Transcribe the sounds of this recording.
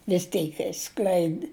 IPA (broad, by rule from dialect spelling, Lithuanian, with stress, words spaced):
ʋʲɪs ˈtʲɛɪk ɪʃˈsklʲɛɪdʲɪ